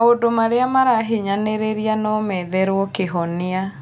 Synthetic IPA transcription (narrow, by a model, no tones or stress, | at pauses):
odomaɾeamaɾaɦiɲaneɾeɾianɔmɛðɛɾwɔkeɦɔnea